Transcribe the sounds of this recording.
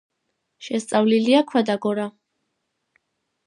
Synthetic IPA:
ʃɛst̪sʼavliliakʰwad̪aɡɔɾa

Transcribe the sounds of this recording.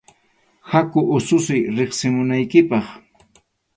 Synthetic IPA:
hakʊʔʊsʊsɪjɾeχsɪmʊnajkɪpɑχ

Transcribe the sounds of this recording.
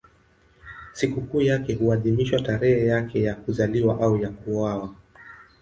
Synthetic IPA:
sikukuːjakɛhuaðimiʃwataɾɛhɛjakɛjakuzaliwaʔaujakuwawa

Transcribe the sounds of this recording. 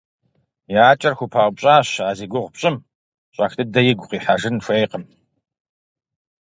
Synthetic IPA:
jaːt͡ʃʼɐrxʷʊpʰaːʁʷbɕʼaːɕaːziːɡʷʊʁpɕʼɪm | ɕʼɐxtʰɨdɐjɪɡʷʊqiːħaʒɨnfʷɐjqəm

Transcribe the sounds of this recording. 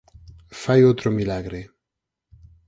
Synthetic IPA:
fajot̪ɾomilaɣɾe

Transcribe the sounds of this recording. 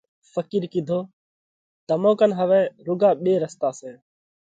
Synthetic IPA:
fəkiːɾkid̪ʱoː | t̪əmõːkənɦəʋɛ̃ːɾʊɡaːɓeːɾəst̪aːsẽː

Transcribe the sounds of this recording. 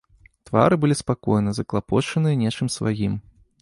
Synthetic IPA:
t̪va̰ɾɨbɨlʲispakɔjnɐzɐklˠapɔt͡ʂɐnɨjɐnʲet͡ʂɨmsva̰jim

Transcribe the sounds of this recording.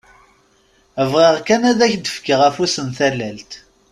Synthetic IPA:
əvʁiʁkænæðæçd̪əfkəʁæfusənθælælt̪

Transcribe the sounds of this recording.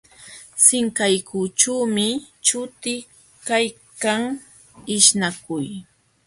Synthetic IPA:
sɪŋkajkut͡ʃuːmɪ | t͡ʃʊt̪ɪ | kaj | kaŋ | ɪʃnakʊj

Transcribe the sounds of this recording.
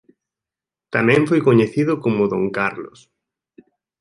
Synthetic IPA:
t̪amẽɱfojkoɲeθiðʊkomoðõŋkaɾlo̰s

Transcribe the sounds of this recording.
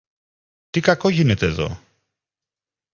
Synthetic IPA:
t̪ikɐko̞ʝine̞t̪e̞ːðo̞̰

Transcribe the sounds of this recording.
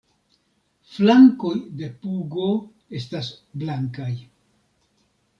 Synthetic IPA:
flaŋko̞jde̞puɡo̞ | e̞stasblaŋkaj

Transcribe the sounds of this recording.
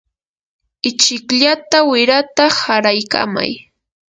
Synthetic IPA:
ɪt͡ʃɪkʎat̪awɪɾat̪ahaɾajka̰ma̰j

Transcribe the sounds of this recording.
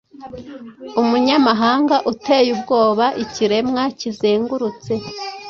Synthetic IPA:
umuɲamaɦaːŋɡaʔutejubɡo̞ːβaʔiciɾe̞mŋacizeːŋɡuɾut͡se̞

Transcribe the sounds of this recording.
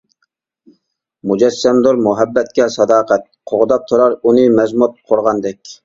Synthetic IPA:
mud͡ʒɛsːɛmd̪oɾmuɦɛbːɛt̪̚kʲɛsɑd̪ɑːqʰæt̪̚qʰoʁd̪ɑp̚t̪ʰoɾɑɾunɨmɛzmut̪̚qʰoɾʁɑnd̪ɛkʲ

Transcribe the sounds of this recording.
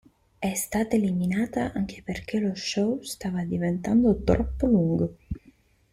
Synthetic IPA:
ɛst̪aːt̪aeliminaːt̪aʔaŋk̟ʰe̥perk̟eloʃːɔwst̪aːvad̪ivent̪and̪ot̪ɾɔpːoluŋɡo

